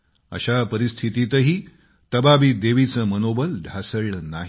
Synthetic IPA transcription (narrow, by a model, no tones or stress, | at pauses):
ə̰ɕapəɾist̪ʰit̪it̪əɦiː | t̪əbabid̪eʋit͡səmənobəlɖʱasəɭnaɦ